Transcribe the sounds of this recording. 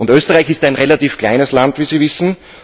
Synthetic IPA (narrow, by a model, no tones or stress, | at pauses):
ʊntøːstəʁaɪçɪstæɪnʁelatiːfkl̥a̰ɪnəslantviːziːvɪsn̩